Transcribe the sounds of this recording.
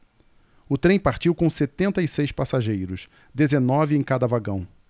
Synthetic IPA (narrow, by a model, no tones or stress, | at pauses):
ʊt̪ɾẽj̃paɾt͡ʃiwkõw̃set̪ẽnt̪ɐisejspasaʒejɾʊs | d̪ezenɔvɪẽj̃kad̪ɐvaɡɐ̃w̃